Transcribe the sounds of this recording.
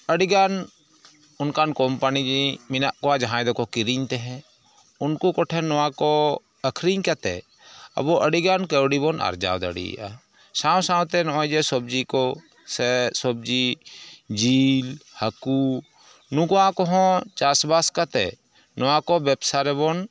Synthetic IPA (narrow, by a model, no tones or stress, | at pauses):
əɽiɡan | ʊnkankɔmpanid͡ʒimɪnaʔkɔad͡ʒɦãjd̪ɔkɔkiɾiɲt̪ɛɦɛ̃ | ʊnkukɔʈʰɛnɔwãkɔ | əkʰɾiɲkat̪ɛ̰ | ɐ̰bɔʔəɽiɡankəwɽibɔna̰ɾd͡ʒa̰ːwd̪ə̰ɽḭa̰ | sawsãwt̪ɛnɔɔ̃jd͡ʒɛsɔb̚d͡ʒikɔ | sɛsɔb̚d͡ʒi | d͡ʒilhəku | nũkɔãkɔɦɔ̃t͡ʃasbaskat̪ɛ̰ | nɔwãkɔbɛbsaɾɛbɔn